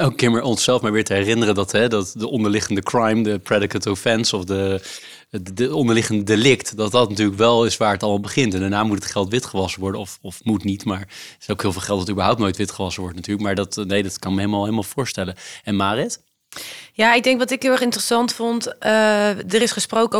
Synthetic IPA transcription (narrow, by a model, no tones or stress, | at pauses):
okːɪɹməɹɔnsɛlˠfmɛɹʋɪːɹtəɦɛrɪnərəndɑtɦɛdɑtdəʔɔndəɹlɪχəndəkrajmdəprɛdɪkətofɛnsɔfdə | əɔndəɹlɪχəndədelɪktdɑtdɑtnatyːɹləkʋɛlˠɪsʋaːɹətɑlˠmɑlˠbəχɪntɛndaːnaːmutətχɛlˠtʋɪtχəʋɑsəʋɔɹdənɔfɔfmutnitmaːɹowkɦɪːlˠvɪlˠχɛlˠtɑtybəɹɦawp̚nowjtʋɪtχəʋɑsəʋɔɹdənatyːɹləkmaːɹdɑtnejdɑtkɑnkməɦejləmaːlˠɦejlmaːlˠv̥ʊːɹstɛləɛnmaːrɪt | jaɪɡ̚dɛŋkʋɑtɪkɦɪlˠɛχɪntrəsɑntfɔnt | dəɾɪsχəsprowkə